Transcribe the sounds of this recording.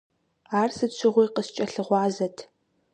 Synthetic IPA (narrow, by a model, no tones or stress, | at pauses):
aːrsɨɕʷʰɪʁʷʊjqəst͡ʃʼɐɬɨʁʷɑːzɐtʰ